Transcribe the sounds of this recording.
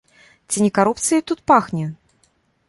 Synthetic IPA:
t͡sʲinʲɪkaɾupt̪sɨjt̪ut̪̚paxnʲɛ

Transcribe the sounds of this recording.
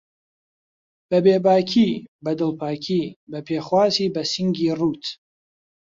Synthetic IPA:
b̥ɐbeːbaːkʰiːbɐd̪ɨlˠpʰaːkʰiːbɐpʰeːχwaːsiːbɐsiŋɡiːruːt̪ʰ

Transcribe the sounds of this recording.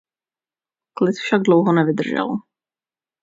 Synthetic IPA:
klɪt̪fʃaɡ̚dlowɦonɛvɪd̪r̩ʒɛ̰l

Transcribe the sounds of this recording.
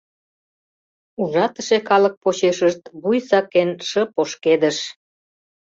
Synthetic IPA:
uʒɑt̪ə̆ʃekɑlək̚pot͡ɕeʃəʃt̪βujsɑkːenʃəpoʃked̪əʃ

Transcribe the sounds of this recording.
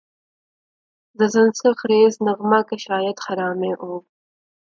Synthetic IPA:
d̪əzansɪxɾeznaɣmɑkaʃɑːjat̪xaɾɑːmeʔo

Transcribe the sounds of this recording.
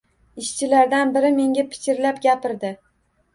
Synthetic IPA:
ɪʃt͡ʃʰɪlaɾd̪anbɪɾɪme̞ŋɡʲapʰɪ̥kʰʲɪɾlapɡʲapɪɾd̪ɪ

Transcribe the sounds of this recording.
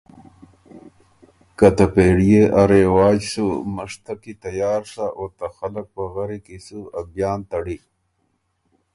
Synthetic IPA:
kat̪apeːɽijeʔaɾewaːd͡ʒsuməʂt̪akit̪ajaːɾsaʔot̪axɐlək̚paɣaɾikisuabjɑːnt̪ɐɽi

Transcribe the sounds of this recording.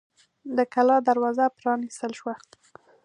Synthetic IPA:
d̪əkalɑd̪aɾwɑzapɾɑnist̪əlʃwa

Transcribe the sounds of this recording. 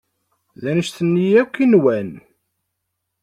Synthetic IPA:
ðænəʃθənːijækʷːinwæn

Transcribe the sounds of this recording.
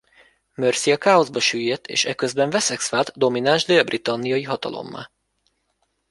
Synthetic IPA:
mørsijɒkaːozbɒʃyːjːɛt̪ʰːḛːʃɛkøzbɛɱvɛsɛksfaːlt̪d̪o̞minanʒd̪eɒbrit̪ɒnːijɒjiɦɒt̪ɒ̰lo̞̰mːa̰ː

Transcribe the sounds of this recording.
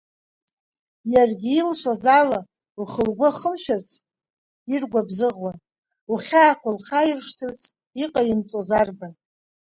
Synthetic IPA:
jarɡʲɪilʂozala | lχəlɡʷaχəmʃᶣart͡sʰ | irɡʷabzɨʁwan | lχʲaːkʷalχajɪrʂtʰɨrt͡sʰ | iqʼaint͡sʼozarban

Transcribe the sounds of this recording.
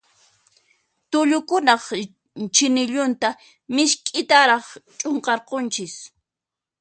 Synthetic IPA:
t̪ʊʎʊkʊnɑχ | t͡ʃɪnɪʎʊnt̪a | mɪʃkʼɪt̪aɾɑχt͡ʃʼoɴqɑɾqont͡ʃɪs

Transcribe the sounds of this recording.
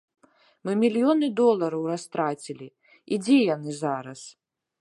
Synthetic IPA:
mɨmʲilʲjɔnɨd̪ɔlˠɐɾɐwrast̪ɾat͡sʲilʲi | id͡zʲɛjanɨzaɾɐs

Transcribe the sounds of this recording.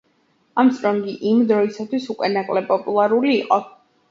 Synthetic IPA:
amt̪sʼɾɔŋɡiʔimd̪ɾɔisat̪ʰwisukʼwɛnakʼlɛpʼɔpʼulˠaɾuliːqʼɔ

